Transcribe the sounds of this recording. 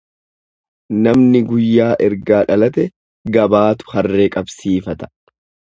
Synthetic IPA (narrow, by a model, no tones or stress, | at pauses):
nɐmnɪɡʊjːaːʔɛɾɡaːᶑɐlɐt̪ɛ | ɡɐbaːt̪ʊ̥hɐrːeːkʼɐbsiːfɐt̪ɐ̥